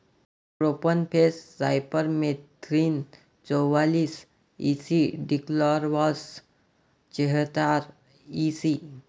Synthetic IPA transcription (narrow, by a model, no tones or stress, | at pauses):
pɾopənpʰessaɪpəɾmet̪ʰɾin | t͡sɔwaːlis | isiɖiklɔːɾʋɔs | t͡ʃeɦt̪aːɾ | isi